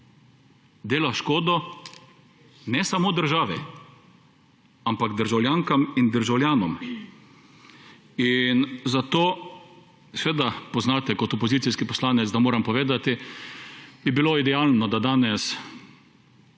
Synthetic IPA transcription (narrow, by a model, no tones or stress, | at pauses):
d̪eːlaʃkoːd̪ɔ | nɛsamoːd̪əɾʒaːʋɛ | ampaɡd̪əɾʒawlʲjaŋkamind̪əɾʒawljaːnɔm | inzat̪oː | sɛʋeːd̪apɔznaːt̪ɛkɔt̪ɔpɔzit̪siskipɔslaːnɛt̪zd̪amoːɾɛmpɔʋeːd̪at̪i | bibiloid̪ɛjaːlnɔd̪ad̪aːnɛs